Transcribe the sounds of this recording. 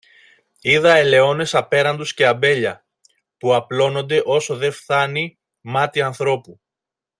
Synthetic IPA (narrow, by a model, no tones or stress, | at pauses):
iðɐe̞le̞o̞ne̞sɐpe̞ɾɐnd̪usce̞ɐbe̞ʎɐ | puɐplo̞no̞nd̪e̞ʔo̞so̞ðe̞fθɐni | mɐt̪iɐnθɾo̞pu